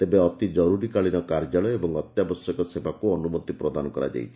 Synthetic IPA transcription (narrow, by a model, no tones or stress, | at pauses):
t̪ebeɔt̪id͡ʒɔɾuɾikaɭinɔkaɾd͡ʒaɭɔjebɔŋɔt̪jabɔsjɔkɔsebakuɔnumot̪ipɾɔd̪anɔkɔɾa̰d͡ʒa̰jt͡ʃʰi̥